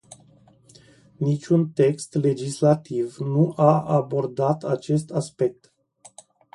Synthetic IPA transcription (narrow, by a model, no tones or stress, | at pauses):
nit͡ʃʲunt̪e̞kst̪le̞d͡ʒislat̪ivnuʔaabo̞rd̪at̪ʰat͡ʃe̞st̪aspe̞k̚t̪